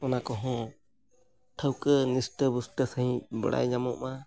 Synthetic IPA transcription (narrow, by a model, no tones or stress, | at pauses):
ɔnakɔɦɔ̃ | ʈʰəwkənisʈəbusʈəsəɦĩbə̰ɽa̰jɲamɔʔma